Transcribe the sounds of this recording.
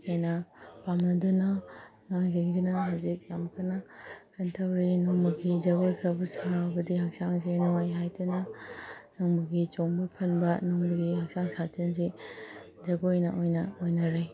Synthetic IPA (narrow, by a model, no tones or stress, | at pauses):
kajnɐpamnɐdunɐ | ŋaŋziŋdinɐɦɐwzik̚jamkʰɐnɐkʰɐntʰɐwɾinuŋmuɡizɐɡojkʰɾɐbusaɾawbɐdihɐk̚saŋzejnuwajɦajdunɐ | nuŋbuɡit͡ʃoŋbupʰɐnbɐnuŋbuɡihɐk̚saŋsat͡ʃenzi | zɐɡojnɐʔojnɐojnɐɾaj